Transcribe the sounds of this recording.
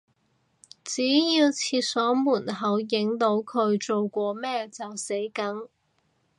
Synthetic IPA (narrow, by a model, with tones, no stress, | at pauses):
t͡siː˨˥jiː˧wt͡sʰiː˧t̚sɔː˨˥muː˨˩nɦɐ˨˧wjɪ˨˥ŋt̪o˨˥wkʰɵ˨˧ɥt͡so˨wkʷɔː˧mɛː˥t͡sɐ˨wse˨˥jkɐ˨˥ŋ